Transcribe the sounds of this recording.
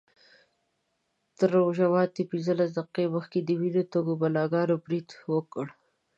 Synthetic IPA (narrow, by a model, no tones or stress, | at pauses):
t̪əɾoʒawɑd̪̚t̪epinzəlas̬d̪aqeməxked̪əwilot̪oɡobalɑɡɑɾobɾid̪wəkəɽ